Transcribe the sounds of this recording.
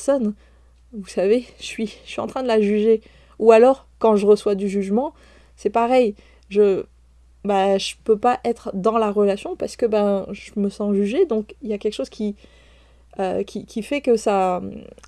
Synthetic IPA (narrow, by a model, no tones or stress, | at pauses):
sɔn | vusaveʃsɥisɥiɑ̰̃t̪χɛ̃d̪əlaʒyʒe | ualɔʁ | kɑ̃ʒəʁəswad̪yʒyʒmɑ̃ | sɛpaʁɛj | ʒə | baʒəpøpaʔɛt̪χd̪ɑ̃laʁəlasjɔ̃paʁsə̥kəbɛ̃ʒəməsɑ̃ʒyʒed̪ɔ̃kiljakʲɛlkə̥ʃoz̥kʲi | økʲikʲifɛkəsa